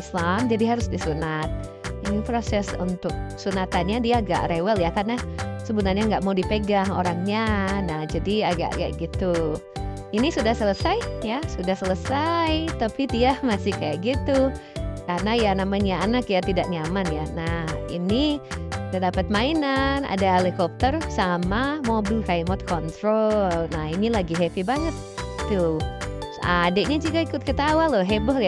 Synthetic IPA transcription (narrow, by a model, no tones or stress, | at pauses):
slamd͡ʒadiɦaɾʊsdisunat̪̚ | inipɾosɛsunt̪ʊk̚sunat̪anɲadiaːɡa̰ʔɾewɛljakarnasəbunarɲaŋɡaʔmaudipeɡaɦo̰ɾaŋɲanahd͡ʒadiaɡa̰ʔɡa̰ʔɡit̪u | inisudahsələsajjasudahsələsajt̪apidiamasɪhkajaʔɡit̪ukarnajanamaɲjaːnakjat̪idaʔɲamanjanahḭnidadapat̪̚mainana̰daɦelikɔp̚t̪ərsamamobilkaimɔt̪̚kɔnt̪ɾolnahinilaɡiɦɛfibaŋət̪ː | u | a̰deʔɲad͡ʒuɡaikʊt̪̚kət̪awalɔɦebɔh